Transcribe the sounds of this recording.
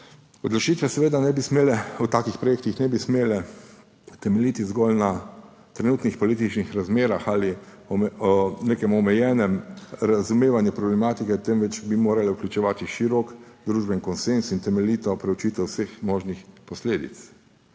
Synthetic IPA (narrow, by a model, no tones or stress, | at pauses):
ɔd̪lɔt͡ʃiːt̪ʋɛsɛʋeːd̪anɛbismeːlɛut̪aːkixpɾɔjeːk̚t̪ixnɛbismeːlɛ | t̪ɛmɛliːt̪izɡɔlna | t̪ɾɛnuːt̪nixpɔliːt̪it͡ʃnixɾazmeːɾaxaːli | ɔɔneːkɛmɔmɛjɛːnɛmɾazumeːʋanjupɾɔblɛmaːt̪ikɛt̪ɛmʋɛt͡ʃbimoːɾalɛuklʲut͡ʃɛʋaːt̪iʃiɾɔkd̪ɾuːʒbɛiŋkɔnsensint̪ɛmɛliːt̪ɔpɾɛwt͡ʃiːt̪ʋɛwsexmɔːʒnixpɔsleːd̪ḭt̪s